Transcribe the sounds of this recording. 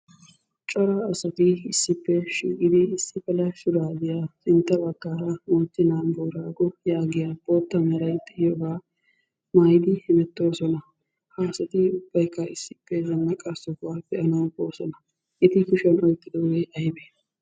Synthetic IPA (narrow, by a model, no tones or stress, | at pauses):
t͡ʃʼɔɾɐːsɐt̪ɪɪsːɪpːɛʃiːkʼɪd̪ɪɪsːɪfɐlɐʃʊɾaːd̪ɪjaːsɪnt̪ːɐbɐɡːaːɾɐmɔt̪ːɪnaːnboːɾaːɡɔjaːɡɪjaboːt̪ːɐmɛɾɐjt̪ːɪjɔɡaː | majd̪ɪhɪmɛt̪ːo̞ːsɔnɐ | haːsɐt̪ɪʊb̥ːɐjkːɐɪsːɪ̥pːɛzɐnːɐkʼɐsɔkwaːb̥ɛʔɐnɐwbo̞ːsɔnɐ | ʔɪt̪ɪkʊʃɐnɔjt̪ʼːɪd̪ɔweʔɐjbe